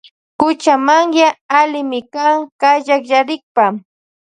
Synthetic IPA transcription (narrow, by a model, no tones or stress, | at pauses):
kʊt͡ʃamaŋjaːlɪmɪkaŋkaʎakjaɾɪk̚pa